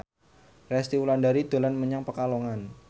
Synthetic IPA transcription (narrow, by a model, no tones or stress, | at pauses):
rɛst̪iulandaɾid̪̥o̤lanməɲaŋpəkaloŋan